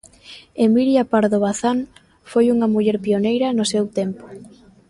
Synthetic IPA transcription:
emiljapaɾðoβaθaŋ | fojuŋɐmuʎɛɾpionejɾɐnʊsɛwt̪ɛmpo̥

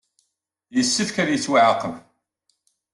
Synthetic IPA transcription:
jəsːifkaɾjət͡sːwiʕaqəm

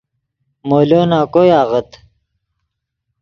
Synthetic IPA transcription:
moːloːnaːkoːjaːʁɐt̪

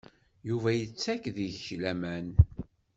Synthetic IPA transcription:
juvæjət͡sːækðiççlæmæn

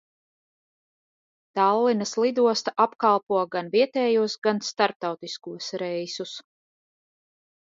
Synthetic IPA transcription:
d̪̥alˠːinɐslˠid̪uɔst̪aʔapkɑlˠpuɔɡanviɛt̪ɛːjuɔsɡanst̪aɾp̚t̪awt̪iskuɔsɾɛjsus

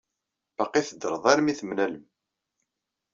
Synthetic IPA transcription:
bəqːiθəd̪əɾˤðˤɑɾmiθəmnæləm

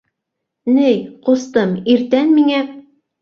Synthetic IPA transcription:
nɘjqŏst̪ɤmiɾt̪ænmiŋæ

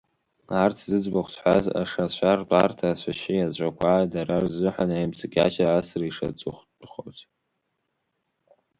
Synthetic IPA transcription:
artʰzɨd͡zbaχʷsħʷaza̰ʂaʃʷartʷʼartʰaːɕʷaʃɪjat͡ɕʷʼakʷʰaːdaɾarzɨħʷanajimt͡sʰaɡʲʼat͡ʃʰaːsriʂa̰t͡sʷʼɨ̰χʷtʼχo̰z

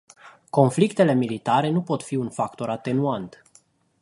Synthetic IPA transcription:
ko̞nflikt̪e̞le̞milit̪aɾe̞nupo̞t̪fiunfakt̪o̞ɾat̪e̞nuant̪

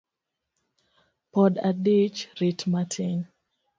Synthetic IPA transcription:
pɔdadit͡ʃɾitmatʰin

